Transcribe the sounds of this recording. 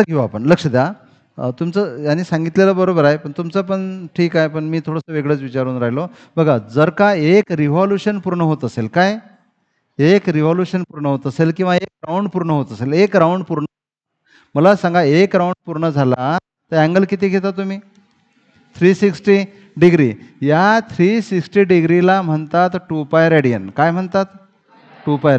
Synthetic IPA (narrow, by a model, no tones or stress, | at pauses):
əɡʱewapəɳləkʂəd̪ja | t̪umt͡səjanːiːsãŋɡit̪leləbəɾobəɾaɦepəɳt̪umt͡səp̬əɳʈʰiːkaɦepəɳmiːt̪ʰoɽəsəʋeɡɭəːt͡sʋit͡ɕaɾuːnɾaɦilo | bəɡʱad͡zəɾkaekɾiʋɔljuɕənpuɾɳəɦot̪əselkaj | ekɾiʋɔljuɕənpuɾɳəɦot̪əselkĩw̃ʋaekɾauɳɖpuɾɳəɦot̪əselekɾauɳɖpuɾɳəɦo | məlasãŋɡaekɾauɳɖ̚puɾɳəd͡zʱala | t̪əɾæ̃ŋɡəlkit̪iːɡʱet̪̬at̪um̤iː | t̪ʰɾiːsiksʈi | ɖiɡɾḭjat̪ʰɾisiksʈiːɖiɡɾilam̤əɳt̪at̪ʈupajɾeɽijə̰nkajm̤əɳt̪at̪ | ʈupajɾ